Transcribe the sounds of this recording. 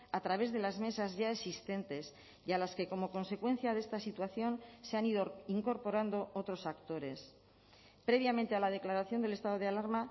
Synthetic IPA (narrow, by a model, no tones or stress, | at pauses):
at̪ɾaβ̞e̞zðe̞lazme̞sazʝaesist̪e̞nt̪e̞s | jalaske̞ko̞mo̞ko̞nse̞kwe̞n̟θjaðe̞st̪asit̪waθjo̞nse̞aniðoiŋko̞ɾpo̞ɾand̪o̞ot̪ɾo̞sakt̪o̞ɾe̞s | pɾe̞β̞jamẽnt̪e̞alað̞e̞klaɾaθjo̞nd̪e̞lest̪að̞o̞ð̞ealaɾma